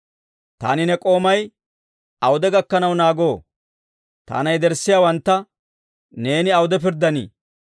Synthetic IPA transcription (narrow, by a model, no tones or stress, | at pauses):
t̪a̰ːnɪnɛkʼo̞ːmɐj | ɐwʊd̪ɛɡɐkːɐnɐwnaːɡo̞ː | t̪a̰ːnɐjd̪ɛɾsːɪjaːwɐnt̪ːɐ | ne̞ːnɪɐwʊd̪ɛp̬ɪɾd̪ːɐnḭː